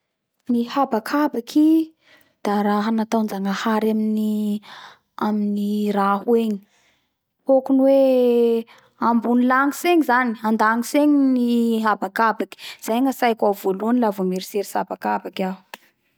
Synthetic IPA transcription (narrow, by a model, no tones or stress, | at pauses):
nihabakʰabakʰi | d̪̥aɾaɦanat̪awnd͡ʒaŋahaɾamini | aminirahueɲi̥ | hokunwe | ambunilaŋiseŋizaniand̪aŋiseɲiniɦabakabaki̥z̥ajŋəsajkavoluənilavomeɾiseɾisabakabakau̥